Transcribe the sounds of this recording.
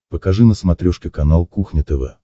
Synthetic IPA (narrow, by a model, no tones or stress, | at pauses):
pəkɐʐɨnəsmɐt̪ɾʲoʂkʲɪkɐnalˠkuxnʲɪt̪ɛvɛ̰